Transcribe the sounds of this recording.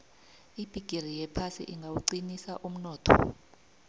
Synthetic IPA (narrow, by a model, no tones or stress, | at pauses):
ib̥ʱiɡ̥ʱir̤ijɛpʰasḭʔiŋɡʱawuǀinisaʔum̩nɔːtʰɔ̰